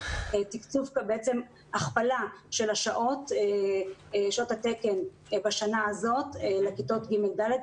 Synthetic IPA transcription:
et̪ikt͡sufkbeet͡se̞m | aχpalaʃe̞laʃaʔo̞t | ʃaothateke̞n | baʃanaazo̞tlekitotɡimeɡd̪aled̪

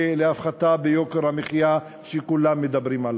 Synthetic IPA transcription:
leafχat̪abejo̞keʁhameχija | ʃekulamːed̪abʁimal

